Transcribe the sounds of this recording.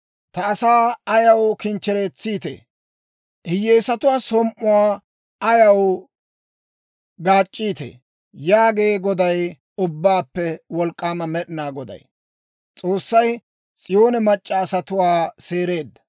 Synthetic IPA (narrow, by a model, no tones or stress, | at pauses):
t̪ɐːsaːɐjɐwkɪnt͡ʃːɛɾeːt͡sːiːt̪ḛː | ʔɪjeːsɐt̪ʊwaːsɔmʔʊwaː | ɐjɐw | ɡaːt͡ʃʼːiːt̪ḛː | jaːɡeːɡɔd̪ɐj | ʊbːaːpːɛwɔlkʼːaːmɐmɛɗɪnaːɡɔd̪ɐ̰j | t͡sʼo̞ːsːɐj | t͡sʼɪjoːnɛmɐt͡ʃʼːɐːsɐt̪ʊwaːseːɾe̞ːd̪ːɐ̥